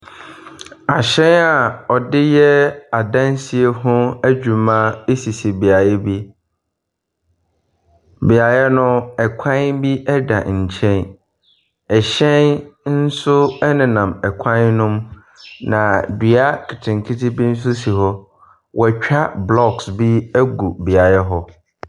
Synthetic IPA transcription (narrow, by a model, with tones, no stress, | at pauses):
a˨ɕɛ̃˦na˨ɔ˨dɪ˦jɛ˦a˨dã˦n˦si˨e˦ɦʊ̃˦æ˦d͡ʑᶣu˨mã˦e˦si˨si˨bi˨a˨jɛ˦bi˦ | bi˨a˨jɛ˦nʊ̃˦ɛ˨kʷʰã˦nbi˦ʔɛ˦da̰˨ɲ̩˨t͡ɕʰɛ̃˦n | ɛ˨ɕɛ̃˦nn̩˦sʊ˦ɛ˦nɪ̃˨nã˨mɛ˨kʰã˦nnʊ̃˦m | nã˨dɥa˦kʰɪ˨tʰɪ̃˨ŋ˨kʰɪ˦tʰi˦bi˦n̩˦s̬ʊ˦si˨ɦɔ˦ | wʔɔ˨t͡ɕᶣa˦blɔ˦ksbi˦æ˦ɡu˨bi˨a˨jɛ˦ɦɔ˦